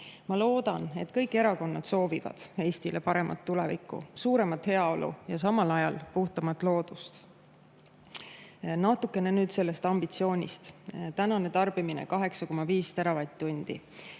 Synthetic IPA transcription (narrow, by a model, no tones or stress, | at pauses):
mɑlo̞ːd̪̥ɑne̞t̪kɤjkːˑe̞ɾɑko̞nːɑd̪̥so̞ːvivɑ̰d̪̥e̞ːst̪ilepɑɾe̞mʔɑ̰t̪ːulevikːˑṵsuːɾe̞mɑt̪he̞ɑo̞lʔṵjɑs̬ɑmɑlɑjɑlpuht̪ɑmɑt̪ːˑlo̞ːd̪̥ust̪ | nɑt̪ukːˑe̞nenyːd̪̥se̞lːe̞st̪ɑmb̥it̪sio̞ːnʲist̪t̪ænɑne̞t̪ɑrb̥iminḛkɑɦe̞ksɑko̞mːɑviːst̪eɾɑvɑjt̪t̪ːunʲd̪̥ḭ